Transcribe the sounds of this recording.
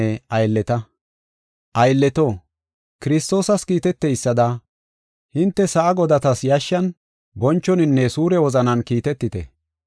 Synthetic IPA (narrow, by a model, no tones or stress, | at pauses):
ɛɐjlːɛt̪ɐ | ʔɐjlːɛt̪oː | kɪɾɪst̪o̞ːsɐskiːt̪ɛt̪ːɛjsːɐd̪ɐ | hɪnt̪ːɛsɐʔɐɡɔd̪ɐt̪ɐsjɐʃːɐn | bɔnt͡ʃːɔnɪnːɛsuːɾɛwɔzɐnɐnkiːt̪ɛt̪ːɪt̪ɛ̰